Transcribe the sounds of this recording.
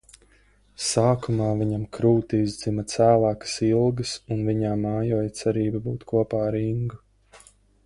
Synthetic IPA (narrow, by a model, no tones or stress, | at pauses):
saːkumaːviɲamkɾuːt̪iizd̪zimɐt̪sæːlˠaːkə̥silˠɡɐsunviɲaːmaːjɔːjt̪sɛɾiːbɐbuːt̪kʰuɔpaːɾiŋɡu